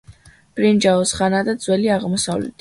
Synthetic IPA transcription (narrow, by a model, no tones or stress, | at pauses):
b̥ɾind͡ʒaɔsχanad̪ad̪zwɛliaʁmɔsavlɛ̰t̪ʰ